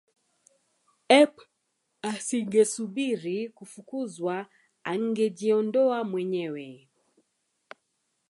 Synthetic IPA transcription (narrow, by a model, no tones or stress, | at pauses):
ɛp | asiŋɡɛsuɓiɾikufukuzwa | aŋ̩ɡɛʄiɔndɔamwɛɲɛwɛ